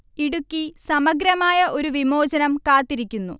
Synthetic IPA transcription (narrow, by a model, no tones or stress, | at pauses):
iɽukʲːisɐmɐɡɾɐmaːjɐʔo̞ɾuʋimo̞ːd͡ʑɐnɐmkaːt̪ːiɾikʲːunːṵ